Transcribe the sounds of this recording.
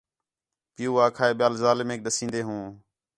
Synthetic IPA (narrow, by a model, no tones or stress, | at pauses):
pɪjuːaːkʰaːeːɓjaːlzaːlɪmeːk̚ɗəsĩːnd̪eːɦũː